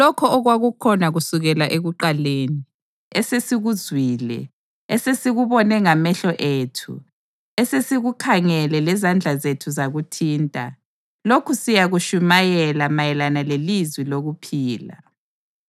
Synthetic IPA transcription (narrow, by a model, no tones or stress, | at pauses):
lɔkʰɔːɣwaɣukʰɔnaɣusuɣɛlaʔeɣuǃaleːni | ɛsesiɣuzʱwiːlɛ̰ | ɛsesiɣuβɔnɛŋamɛɬɔʔeːtʰṵ | ɛsesiɣukʰaŋɛlɛlɛzand͡ɮʱazetʰuzaɣutʰiːntʼa̰ | lokʰusijaɣuʃumajɛlamajɛlanalelizwiloɣupʰiːla̰